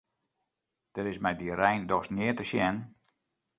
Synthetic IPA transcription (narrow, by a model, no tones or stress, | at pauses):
d̥əɾɪsmɛjdiɾɛjndɔsnɪətəʃjɛn